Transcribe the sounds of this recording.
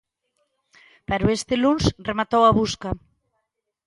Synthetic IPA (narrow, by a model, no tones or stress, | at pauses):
paɾuest̪elunsremat̪owaβ̞uska